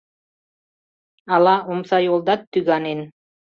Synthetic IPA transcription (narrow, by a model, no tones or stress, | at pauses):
ɑlˠɑumsɑjolˠd̪ɑt̪ːyɡɑnin